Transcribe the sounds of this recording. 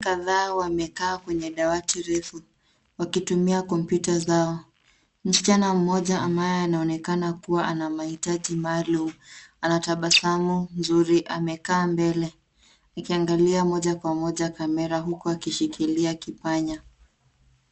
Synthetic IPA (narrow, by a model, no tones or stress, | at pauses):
kaðaːwamɛkaːkwɛɲɛɗawatiɾɛfu | wakitumiakɔmpjutazaɔ | m̩si̥t͡ʃanam̩mɔʄaambajɔanaɔnɛkanakuwaʔanamahitaʄimalum̩anataɓasamunzuɾiʔa̰mɛkaːmbɛlɛ | akiaŋɡaliamɔʄakwamɔʄakamɛɾaɦukɔakiʃikʰiliakipaɲa